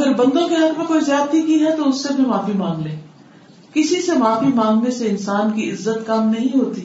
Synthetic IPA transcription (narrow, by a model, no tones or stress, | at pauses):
ɐɡəɾbɐ̃nd̪õkeɦɐt̪mẽkoːizjaːt̪ːikiɦɛt̪oʊsːebʱimaːfimãːŋɡlẽː | kɪsisemaːfimãːŋɡneseɪnsaːnkiɪzːət̪kɐmnɐɦĩɦoːt̪i